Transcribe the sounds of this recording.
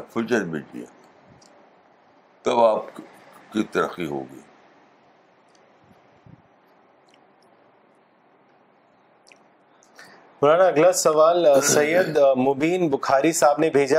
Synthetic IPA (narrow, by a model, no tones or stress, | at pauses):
fʊt͡ʃəɾbɪ̰d͡ʒḭa̰ | t̪ɐbaːp̚kit̪ɐɾxiɦo̰ːɡɐḭː | ʊnaːnaɐɡlasɐʋaːlsɐjəd̪mobiːnbʊxʰaːɾisaːbnebʱeːd͡ʒa